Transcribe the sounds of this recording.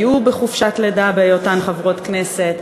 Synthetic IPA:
jubeχufʃatledabejotanχavʁo̞tknese̞t

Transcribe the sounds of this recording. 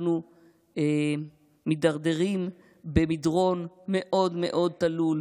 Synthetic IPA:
nu | e | mid̪aʁd̪eʁim | bemid̪ʁo̞nmeʔo̞d̪mḛʔo̞d̪̚t̪alul

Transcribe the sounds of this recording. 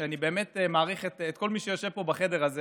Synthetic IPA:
eanibeːme̞temaːʁiχetːt̪̚ko̞lmiʃejo̞ʃevpo̞baχe̞de̞ʁaze

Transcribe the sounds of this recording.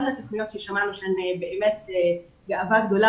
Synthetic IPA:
dat̪oχnijot̪ʃeʃamaluʃenebeʔemet̪̚e | ɡaavaɡd̪o̞la

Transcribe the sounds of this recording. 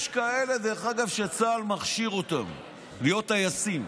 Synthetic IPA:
ʃkae̞le̞d̪eχaɡavʃet͡saːlmaχʃiʁo̞t̪a̰m | lijo̞tajasim

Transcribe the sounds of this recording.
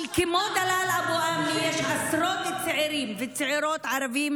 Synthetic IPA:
lkɪmoːd̪alaːlʔabuʔaːmːɪjaʃʕɑsɾˤoːt̪ɪt̪sːɪʕiɾiːmvɪsɪʕiɾoːt̪ʕɑɾˤɑbiːm

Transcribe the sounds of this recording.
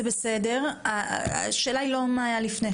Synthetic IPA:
ebesede̞ʁaa̰ʃeːlailo̞maːjalifne

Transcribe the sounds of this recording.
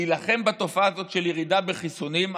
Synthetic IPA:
ilaχe̞mbat̪o̞faːzo̞t̪ʃeljeʁid̪abeχisonim

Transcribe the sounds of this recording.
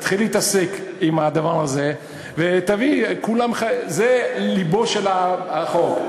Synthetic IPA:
t̪χilːeit̪ase̞kimad̪avaʁaze | vet̪avikulamχazelibo̞ʃelaχok

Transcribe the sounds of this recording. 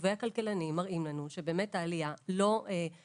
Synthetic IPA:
vejhakalkelanimːaʁʔimlanuʃebe̞ːmethaːlijalo̞e

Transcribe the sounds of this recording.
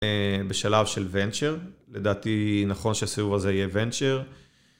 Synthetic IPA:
beʃalavʃelvent͡ʃeʁled̪aːt̪inaχo̞nʃeasivuvazeijevent͡ʃeʁ

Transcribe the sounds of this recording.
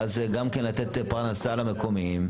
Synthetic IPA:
azɡamkenlat̪et̪paʁnasalame̞ko̞mim

